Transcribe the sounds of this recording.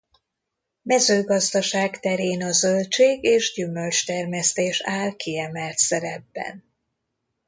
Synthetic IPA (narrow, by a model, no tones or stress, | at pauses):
mɛzøːɡɒzd̪ɒʃaːkt̪ɛɾeːnɒzølt͡ʃeːɡeːʒɟymø̞lt͡ʃt̪ɛrmɛst̪eːʃaːlkiɛmɛlt̪sɛɾɛbːɛ̰n